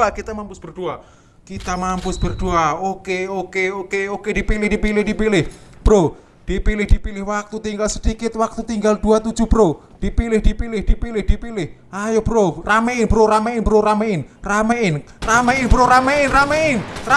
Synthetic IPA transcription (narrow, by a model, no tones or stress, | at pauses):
akit̪amampʊsb̥ərd̥ua | kit̪amampʊsb̥ərd̪̥uaokeokeokeokedipilɪhdipilɪhd̥ipilɪhb̥ɾo | d̥ipilɪhd̥ipilɪhwak̚t̪ut̪iŋɡalsəd̥ikɪt̪̚wak̚t̪ut̪iŋɡald̥̪uat̪ud̥d͡ʒ̥ub̥əɾo | d̥ipilɪhd̥ipilɪhd̥ipilɪhd̥ipilɪh | ajob̥əɾorameɪnbəɾoɾameɪnbɾoɾameɪnrameɪnrameɪnbɾoɾameɪnrameɪnra